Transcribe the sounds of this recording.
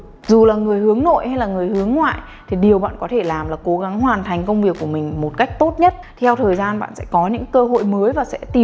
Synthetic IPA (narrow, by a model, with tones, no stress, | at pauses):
zu˨˩laː˨˩ŋɨ˨˩əjhɨ˨˦əŋno̰˧˨jha˧jlaː˨˩ŋɨ˨˩əjhɨ˨˦əŋːwa̰ː˧˨j | t̪ʰi˨˩ɗi˨˩əwɓa̰ː˧˨nkɔ˨˦t̪ʰe˧˩laː˨˩mlaː˨˩ko˨˦ɣa˨˦ŋɦwaː˨˩nt̪ʰa˨˩ŋ̟kə˧wŋ͡mvi˨˩əkːu˧˩əmï˨˩ŋ̟mo˨˩t̚ka˦˥jk̟̚t̪o˦˥t̚ɲə˦˥t̚t̪ʰɛ˧wt̪ʰəː˨˩jzaː˧nɓa̰ː˧˨nsɛ̰˧˥kɔ˨˦ɲɨ̰˧˥ŋkəː˧ɦo̰˧˨jməː˨˦jvaː˨˩sɛ̰˧˥t̪i˨˩